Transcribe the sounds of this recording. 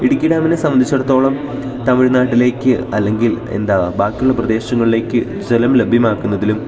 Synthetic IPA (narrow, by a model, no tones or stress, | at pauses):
iɽukʲːiɽaːminesɐmɐnd̪it͡ɕːɐɽɐt̪ːo̞ːɭɐm | t̪ɐmiɻnaːʈːile̞ːkʲːɨɐlːe̞ŋɡile̞̰nd̪abaːkʲːuɭːɐprɐd̪e̞ːɕɐŋːɐɭile̞ːkːɨ | d͡ʑelɐmlɐbʱjimaːkːunːɐðilum